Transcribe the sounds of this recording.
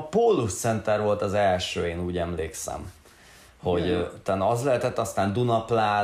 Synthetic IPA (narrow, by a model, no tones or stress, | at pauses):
poːlːust̪sɛnt̪ɛrʋo̞lt̪ɒzɛlʃøːeːnuːɟɛmlḛːksɛ̰m | ho̞ɟt̪ːaːnːɒzlɛɦɛt̪ɛt̪ːɒst̪aːnd̪unɒplaː